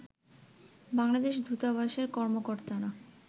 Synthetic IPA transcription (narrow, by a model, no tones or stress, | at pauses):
baŋlad̪eʃd̪ʱut̪abaʃeɾkɔɾmokoɾt̪ana